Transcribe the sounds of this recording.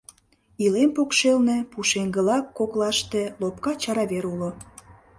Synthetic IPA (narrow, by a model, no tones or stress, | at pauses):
ilempokʃelnepuʃeŋɡə̆lɑkːoklɑʃt̪elopkɑt͡ɕɑɾɑβeɾulo